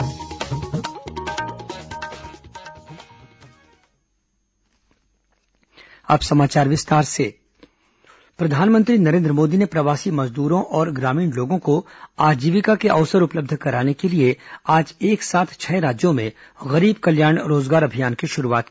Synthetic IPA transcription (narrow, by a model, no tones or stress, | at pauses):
a̰ːpsɐmaːt͡ʃaːɾʋɪst̪aːɾse | pɾɐd̪ʱaːnmə̃nt̪ɾinɐɾẽːnd̪ɾəmoːd̪inepɾɐʋaːsimɐzd̪uːɾõʔɔːɾɡɾaːmiːɳloːɡõkoaːd͡ʒiːʋɪkakeʔɐʊsəɾʊpləb̚d̪ʱkɐɾaːnekelieaːd͡ʒeːksaːt̪ʰt͡ʃʰɛɾaːd͡ʒjõmẽ | ɣɐɾiːbkɐljaːɳ̃ɾoːzɡaːɾɐbʱijaːnkeʃʊɾuaːt̪̚ː